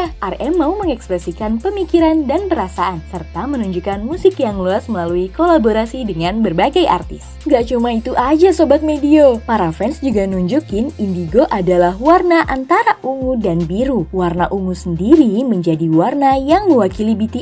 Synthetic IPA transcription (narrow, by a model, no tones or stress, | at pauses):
ʔarɛmawməŋɛkspɾɛsikanpəmikiɾandanpəɾasaʔansərt̪amənuɲd͡ʒukanmusɪkjaŋluasməlaluikolaboɾasidəŋanbərbaɡajʔa̰rt̪ɪs | ŋɡaʔt͡ʃumait̪uʔad͡ʒasobat̪̚mediopaɾafɛnsd͡ʒuɡamnuɲd͡ʒukɪnindiɡoʔadalahwarnaʔant̪aɾaʔuŋudanbiɾuwarnaʔuŋusəndiɾiməɲd͡ʒadiwarnajaŋməwakilibit̪i